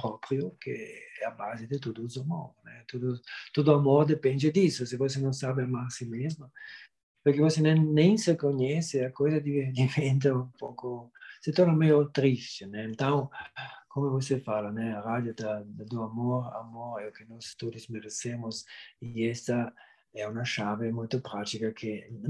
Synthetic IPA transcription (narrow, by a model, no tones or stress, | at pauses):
pɾɔpɾjʊkeɛabazɪd̪ɪt̪od̪ʊzamo̰ɾnɛt̪od̪ʊt̪od̪ʊamoɾd̪epɛ̃nd͡ʒɪd̪isʊsɪvos̬enɐ̃w̃sabɪamaɾsimezma | peɾkevosenɛ̃nẽj̃sɪkoɲɛsɪakojzɐd̪iveɾt̪imẽnt̪̬aũmpokʊsɪt̪ɔɾnamɛjot̪ɾist͡ʃɪnɛẽnt̪ãw̃komovosefalanɛarad̪jod̪ad̪oamoɾa̰moɾɛokɪnɔst̪od̪ʊsmeɾesemʊsiɛst̪a | ɛunaʃavemojt̪ʊpɾat̪ikakʰɪ